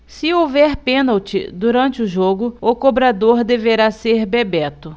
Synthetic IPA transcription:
sɪowvɛɾpẽnawt͡ʃɪ̰d̪uɾɐ̃nt͡ʃɪʊʒoɡʊʊkobɾad̪oɾd̪eveɾaseɾbebɛt̪ʊ

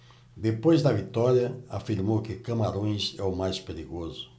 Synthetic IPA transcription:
d̪epojzd̪ɐvit̪ɔɾjɐafiɾmowkɪkɐmaɾõj̃sɛʊmajspeɾiɡozʊ

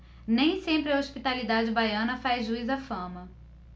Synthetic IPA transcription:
nẽj̃sẽmpɾɪɐoʃpit̪alid̪ad͡ʒɪbajɐ̃nɐfazʒuizɐfɐ̃mɐ

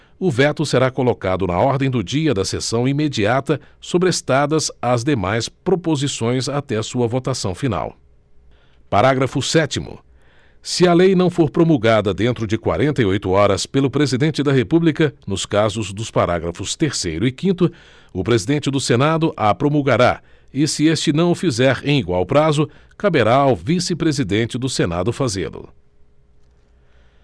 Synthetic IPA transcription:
ʊvɛt̪ʊseɾakolokad̪ʊnɐ̰ɔɾd̪ẽj̃d̪ʊd͡ʒiɐd̪ɐsesɐ̃w̃imed͡ʒiat̪ɐsobɾɪest̪ad̪ɐzazd̪emajspɾopozisõj̃zat̪ɛɐsuɐvot̪asɐ̃w̃fina̰w | paɾaɡɾɐfʊsɛt͡ʃimʊ̰ | sɪɐlejnɐ̃w̃foɾpɾomulɡad̪ɐd̪ẽnt̪ɾʊd͡ʒɪkwa̰ɾẽnt̪ɐiojt̪ʊɔɾɐspelʊpɾezid̪ẽnt͡ʃɪd̪ɐɦepublikɐnʊskazʊzd̪ʊspaɾa̰ɡɾɐfʊst̪eɾsejɾʊɪkĩnt̪ʊ | ʊpɾezid̪ẽnt͡ʃɪd̪ʊsenad̪ʊʔɐpɾomulɡaɾa | ɪsɪest͡ʃɪnɐ̃w̃ʊfizɛɾḛ̃j̃iɡwawpɾazʊkabeɾaːwvisɪpɾezid̪ẽnt͡ʃɪd̪ʊsena̰d̪ʊfazḛlʊ̰

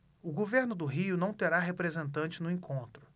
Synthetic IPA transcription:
ʊɡoveɾnʊd̪ʊɦiʊnɐ̃w̃t̪eɾaɦepɾezẽnt̪ɐ̃nt͡ʃɪnʊẽkʰõnt̪ɾʊ

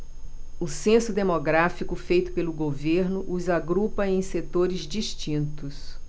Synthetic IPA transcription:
ʊsẽsʊd̪emoɡɾafikʊfejt̪ʊ̥pelʊɡoveɾnʊʔuzaɡɾupɐẽj̃set̪oɾɪzd͡ʒiʃt͡ʃĩnt̪ʊs

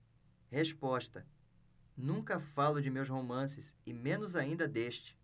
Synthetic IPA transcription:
heʃpɔʃt̪ɐ | nũŋkɐfalʊd͡ʒɪmewshomɐ̃sɪsɪmẽnʊzaĩnd̪ɐd̪eʃt͡ʃɪ̥

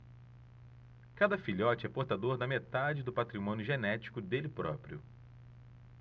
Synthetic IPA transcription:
kad̪ɐfiʎɔt͡ʃɪɛpoɾt̪ad̪oɾd̪ɐmet̪ad͡ʒɪd̪ʊpat̪ɾimõnjʊʒenɛt͡ʃi̥kʊd̪elɪpɾɔpɾiʊ̰

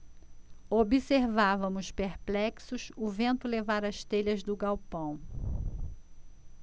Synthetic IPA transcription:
obiseɾvavɐ̃mʊspeɾplɛksʊsʊvẽnt̪ʊlevaɾɐʃt̪eʎɐzd̪ʊɡawpɐ̃w̃

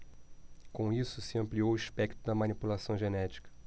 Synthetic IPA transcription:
kõisʊsɪɐ̃mpliowiʃpɛkt̪ʊd̪ɐmɐ̃nipulasɐ̃w̃ʒenɛt͡ʃi̥kɐ̥

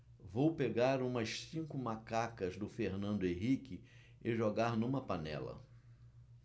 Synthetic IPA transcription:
vowpeɡaɾũmɐʃsĩŋkʊmakakɐzd̪ʊfeɾnɐ̃nd̪ʊẽɦikɪ | ɪʒoɡaɾnũmɐpanɛ̰lɐ̰

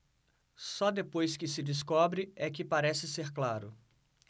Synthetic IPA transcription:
sɔd̪epojskɪsɪd͡ʒɪskɔbɾɪɛkɪpaɾɛsɪseɾklaɾʊ

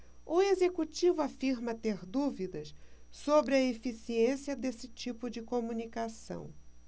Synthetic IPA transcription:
ʊezekut͡ʃivʊafiɾmɐt̪eɾd̪uvid̪ɐssobɾɪɐefisiẽsiɐd̪esɪt͡ʃipʊd͡ʒɪkomũnikasɐ̰̃w̃

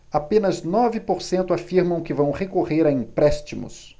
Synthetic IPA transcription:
apẽnɐznɔvɪpoɾsẽnt̪ʊafiɾmɐ̃w̃kɪvɐ̃w̃hekoʁeɾaĩpɾɛʃt͡ʃimʊ̰s

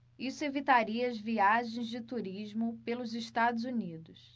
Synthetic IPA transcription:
isʊevit̪aɾiɐɐzviaʒẽj̃zd͡ʒɪt̪uɾiʒmʊpelʊzeʃt̪ad̪ʊzunid̪ʊs

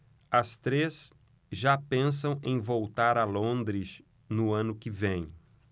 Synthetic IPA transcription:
ɐst̪ɾes | ʒapẽsɐ̃w̃ẽj̃vowt̪aɾɐlõnd̪ɾɪs | nʊɐ̃nʊkɪvẽj̃

